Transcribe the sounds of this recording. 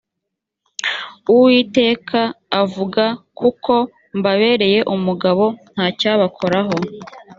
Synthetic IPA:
uwiːte̞ːkʰaːvuɡakukʰo̞ | mbaβe̞ːɾe̞je̞ʔumuɡaβo̞n̥haːcaːβakʰo̞ɾaɦo̞

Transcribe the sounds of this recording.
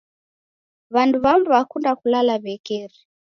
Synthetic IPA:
βanduβamduβakundakulalaβɛkɛɾi

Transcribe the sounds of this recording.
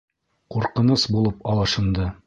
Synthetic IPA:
quɾqɤ̆nɤsbulˠɤpɑlˠɤ̆ʃɤ̆nd̪ɤ

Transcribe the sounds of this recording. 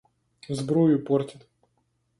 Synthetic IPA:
zbɾujʊpɔrtʲɪt̪

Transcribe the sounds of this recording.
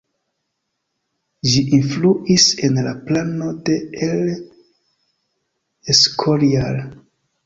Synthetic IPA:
ʒiʔinfluʔise̞nlaplano̞de̞el | eskʰolial

